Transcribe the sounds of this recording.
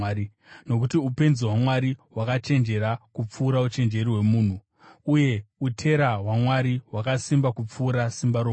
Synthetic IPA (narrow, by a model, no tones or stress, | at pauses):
i | no̞k̬utiupe̞nziɦwamwaɾiwakat͡ʃe̞nd͡ʒe̞ɾakup͡fuːɾaut͡ʃe̞nd͡ʒe̞ɾiwe̞muːn̤u | uje̞utʰe̞ɾaɦwamwaɾiwakasimbakup͡fuːɾasimbaɾo